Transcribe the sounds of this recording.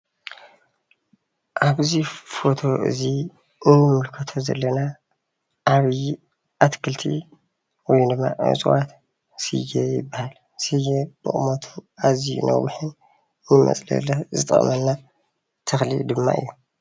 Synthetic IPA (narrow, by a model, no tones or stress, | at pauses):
ʔaβzifo̞t̪ʰo̞ʔɨ̰zi | ɨnːɨmɨlkʰɐt̪ʰozɐ̰lːɐna | ʔaβ | ʔat̪kʰɨlt̪ʰḭ | wɔjnd̪ɨmːa̰ʔɨ̰t͡sʼwat̪ | sɨ̰jejɪ̰bːahal | sɨjebɨ̰χʼmot̪ʰuazḭnʔɐ̰wwuħɨn | nɨmɐ̰t͡sʼlɐ̰lɐzɨt̪ʼɨ̰χʼmɐnːa | t̪ʰɨxlḭd̪ɨmːa̰ʔɨ̰jːu